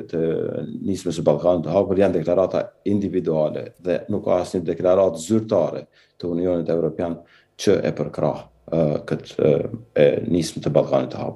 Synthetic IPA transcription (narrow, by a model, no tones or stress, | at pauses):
t̪ənismɛs̬əbalˠkanit̪ːəɦapəɾjand̪ɛklaɾat̪a̰ind̪ivid̪ualɛ̰ðɛnukːa̰asɲəd̪ɛklaɾat̪zyɾt̪aɾɛ | t̪əuniɔnit̪ɛvɾɔpjan | t͡ʃəʔɛ̰pəɾkɾʔa̰h | kət̪ɛnismɛt̪əbalˠka̰nit̪ːəha̰p